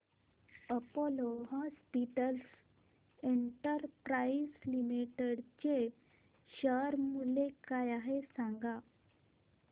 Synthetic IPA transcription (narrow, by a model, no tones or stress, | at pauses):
əpoloɦɔ̃spiʈəls | eɳʈəɾpɾaislimiʈeɽt͡ɕe | ɕəɾmulekajaɦesãŋɡa